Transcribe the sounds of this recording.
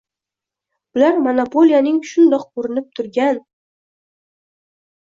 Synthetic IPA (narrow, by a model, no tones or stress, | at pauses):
b̥ɪlaɾmonopʰo̞lʲijanɪŋʃʊnd̪ɒq̚oɾɪnɪp̚t̪ʰʊɾɡʲan